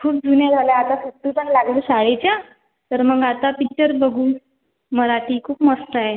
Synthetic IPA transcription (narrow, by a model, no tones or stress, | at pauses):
kʰuːp̚d͡zunjad͡zʱalaat̪asut̪ːipəɳlaɡlesaɽet͡ɕja | t̪əɾməɡat̪apik̚t͡ɕəɾbəɡuː | məɾaʈʰiːkʰuːpməst̪aɦe